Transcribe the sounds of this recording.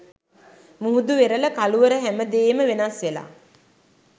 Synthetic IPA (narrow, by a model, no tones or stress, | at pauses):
muɦud̪uʋeɾələkaluʋəɾəɦæməd̪eːməʋenasʋela̰ː